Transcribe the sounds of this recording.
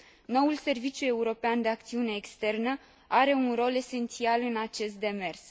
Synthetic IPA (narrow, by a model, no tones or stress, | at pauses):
no̞wulse̞rvit͡ʃʲjue̞uɾo̞peand̪e̞ak̚t̪siune̞ːkst̪e̞rnə | aɾe̞unro̞le̞se̞nt̪sialɨnat͡ʃe̞st̪̚d̪e̞me̞rs